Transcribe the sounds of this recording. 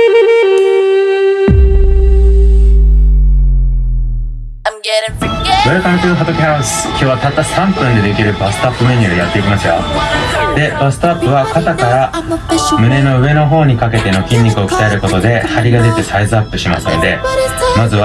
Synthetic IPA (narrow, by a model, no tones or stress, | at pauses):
iaɾakanat͡ɕooɦat̪o̞kʲihaɾasɨ̥kʲo̞ːβat̪at̪ːasãmpɯ̟̃nd̪e̞d̪e̞kʲiɾɯ̟basɨ̥t̪oapːɯ̟meɲ̟ioɾjat̪ːe̞ikʲimasɨjo̰d̪̥e̞b̥asɨ̥t̪oapːɯβakat̪akaɾa | mɯ̟ne̞no̞ɯ̟e̞no̞ɦo̞ːɲ̟ikake̞t̪e̞no̞kʲĩɲ̟ːikɯ̟o̞ki̥t̪ae̞ɾɯ̟ko̞t̪o̞d̪e̞haɾʲiɡazet̪esaizɨapːɯ̟ɕima̰sɨnod̪e̞mazɨβa